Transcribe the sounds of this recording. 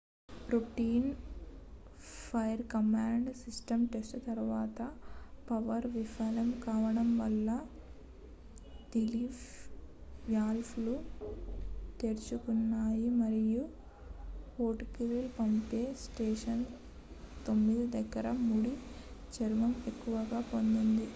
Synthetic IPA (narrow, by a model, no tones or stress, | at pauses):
ɾuʈiːn | pʰɐjɐɾkɐmaːɳɖsisʈɐmʈesʈɐt̪ɐɾʋaːt̪ɐpɐʋɐɾʋifʰaːlɐmkaːʋɐɽɐmʋɐlːɐ | d̪iliːf | ʋjaːlpʰluː | t̪e̞ːɾt͡ʃukunːaːjimɐɾiju | koːʈkiʋelpɐmpeːsʈeːʂɐn | t̪o̞mːid̪id̪ɐɡɐɾɐmuːɽit͡ʃɐɾuʋɐmekːuʋɐɡaːpo̞nd̪und̪i